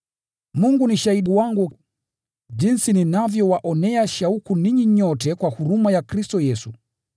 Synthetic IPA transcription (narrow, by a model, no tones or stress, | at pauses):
muŋɡuniʃahiɗuwaŋɡu | d͡ʒinsininavjɔwaʔɔnɛaʃaukuniɲiɲɔtɛkwahuɾumajakɾistɔjɛsu